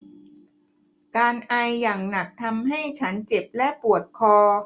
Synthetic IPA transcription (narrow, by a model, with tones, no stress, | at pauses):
kaː˧nʔa˧jːaː˨˩ŋna˨˩k̚t̪ʰa˧mɦa˥˩jt͡ɕʰa˦˥nt͡ɕe˨˩p̚lɛ˦˥pu˨˩ət̪̚kʰɔː˧